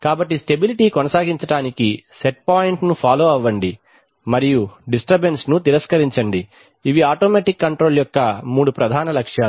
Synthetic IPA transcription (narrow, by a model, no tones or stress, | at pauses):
kaːbɐʈːisʈe̞biliʈiːkonɐsaːɡiɲt͡ʃɐʈaːnikiseʈ̚paːjiɳʈnupʰaːloːɐʋːɐɳɖi | mɐɾijuɖisʈɐɾbensnut̪iɾɐskɐɾiɲt͡ʃɐɳɖi | iʋiaːʈoːmeːʈikːɐɳʈɾo̞ːljɔkːɐmuːɽupɾɐd̪ʱaːnɐlɐkʂjaː